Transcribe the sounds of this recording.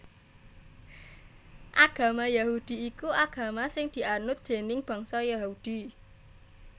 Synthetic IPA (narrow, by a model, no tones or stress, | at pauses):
ʔaɡ̥ä̤majahud̪̥i̤ikuʔaɡ̥ä̤masɪŋd̪̥i̤ʔanʊt̪̚dʒ̥e̤nɪŋb̥a̤ŋsɔjahud̪̥i̤